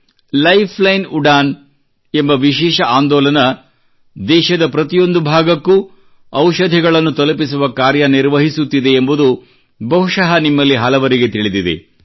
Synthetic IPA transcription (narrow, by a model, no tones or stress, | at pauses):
lɐjpʰlɐjnuɖaːn | e̞mbɐʋiʃɛːʃɐʔaːnd̪ɔːlɐnɐ | d̪ɛːʃɐd̪ɐpɾɐt̪ijo̞nd̪ubʱaːɡɐkːu | ɐwʃɐd̪ʱiɡɐɭɐnːut̪ɐlɐp̬is̬uʋɐkaːɾjɐniɾʋɐɦisut̪ːid̪e̞ːmbud̪u | bɐɦuʂɐɦɐnimːɐlːiɦɐlɐʋɐɾiɡe̞t̪iɭid̪id̪ḛ